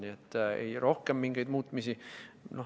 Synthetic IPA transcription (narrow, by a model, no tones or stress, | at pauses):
niet̪ːḛjro̞hkemːiŋɡejd̪muːt̪ːˑmisino